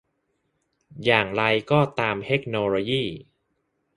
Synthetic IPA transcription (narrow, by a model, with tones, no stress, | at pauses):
jaː˨˩ŋɾa˧jkɔː˥˩t̪aː˧mt̪ʰe˦˥k̚noː˧lo˧jiː˥˩